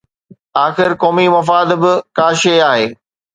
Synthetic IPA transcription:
aːxɪɾkɔːmimɐf̬aːd̪bɪkaːʃeaːɦeː

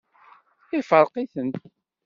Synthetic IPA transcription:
ɪfəɾˤqiθənt̪

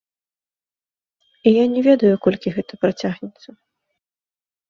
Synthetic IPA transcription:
ijanʲɛvʲɛd̪ɐjukɔlʲkʲiɣɛt̪ɐpɾɐt͡sʲaɣnʲɛt̪sːɐ

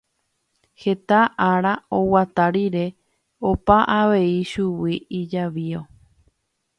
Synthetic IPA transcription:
he̞t̪aʔaɾao̞wat̪aɾiɾe̞ | opaʔaʋe̞iʃuwiid͡ʒaʋio̞

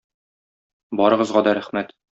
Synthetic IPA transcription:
bɒɾɤ̆ʁɤ̆zʁɑd̪ɒɾæχmæt̪

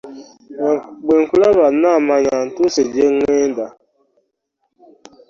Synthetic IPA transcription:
ɡ͡beŋ̩kʷulaβanamaɲan̩tʊsed͡ʒeŋeda

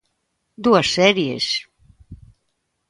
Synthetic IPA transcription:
d̪uasːɛɾiḛs

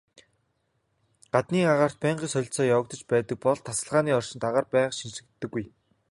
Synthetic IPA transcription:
ɢ̥at̪niːaʁaːr̥t̪̚pæːɴɢiːsœɮ̆ʲɬt͡sɔːjawə̆k̚t̪ɞ̆t͡ɕpæːt̪ə̆k̚pɔɮt̪ʰːasə̆ɮʁaːniːɔrʃɪ̆nt̪aʁaːrpæːʃinʃɘ̆k̚t̪ːɘ̆ɡːuj

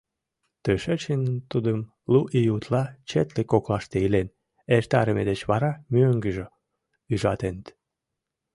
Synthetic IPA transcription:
t̪øʃət͡ɕint̪ud̪əm | luʔijut̪lɑt͡ɕet̪lekoklɑʃt̪eilen | ert̪ɑɾəmed̪et͡ɕβɑɾɑmyøŋɡəʒo | yʒɑt̪enət̪

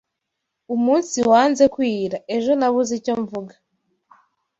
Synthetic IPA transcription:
umuːnsiwaːnze̞kwiːɾae̞ʒo̞naβuzico̞ɱvuɡa

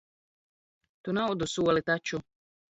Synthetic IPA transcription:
t̪unaʊd̪ɔsuwalɪt̪at͡ʃːʊ

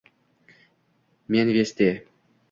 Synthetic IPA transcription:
mʲenʲvest̪ʲe

